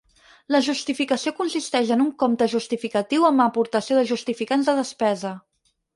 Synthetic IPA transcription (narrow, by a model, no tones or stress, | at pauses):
ləʒust̪ifikəsiokunsist̪ɛʃənuŋkomt̪əʒust̪ifikət̪iwəməpuɾt̪əsioðəʒust̪ifikanzðəðəspɛzə